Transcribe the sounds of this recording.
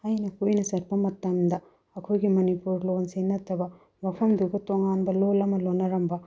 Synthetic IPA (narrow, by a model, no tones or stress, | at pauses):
ɐjnɐkojnɐsɐɾpɐmɐt̪ːɐmd̪ɐ | ɐkʰojɡimɐnipuɾlonsenɐt̪ːɐbɐ | bɐpʰɐmd̪uɡɐt̪oŋanbɐlolɐmɐlonːɐɾɐmbɐ